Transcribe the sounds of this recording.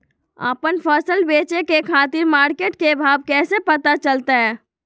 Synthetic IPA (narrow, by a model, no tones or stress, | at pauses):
ə̰pənpʰəsəlbeːt͡ʃekekʰaːt̪iɾmaːɾkeʈkebʱaːbkɛːsepət̪at͡ʃəlt̪aɦɛ